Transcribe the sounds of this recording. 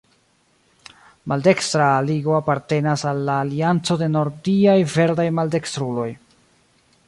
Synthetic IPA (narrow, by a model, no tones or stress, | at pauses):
malde̞kstɾaːliɡo̞apaɾte̞nasalːaːliant͡so̞de̞no̞ɾdiajve̞ɾdajmalde̞kst̪ɾulo̞j